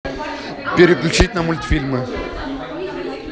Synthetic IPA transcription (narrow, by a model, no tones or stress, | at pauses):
pʲɪɾʲɪklʲut͡ɕitʲnəmulʲt̪ʲfʲilʲmɨ